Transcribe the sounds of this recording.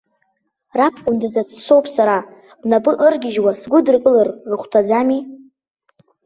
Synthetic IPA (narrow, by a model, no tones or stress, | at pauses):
rapʰqʷʼʊmdazat͡sʰsowpʼsaɾa | napʼɨʔɨrɡʲɪʒwasɡʷʊdɨrkʼɨlarːɨχʷtʰad͡zami